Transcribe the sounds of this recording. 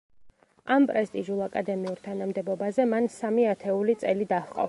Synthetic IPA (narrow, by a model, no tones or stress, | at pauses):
ampʼɾɛst̪ʼiʒulˠakʼad̪ɛmiuɾt̪ʰanamd̪ɛbɔbazɛmansamiat̪ʰɛulit̪sʼɛlid̪aχqʼɔ̰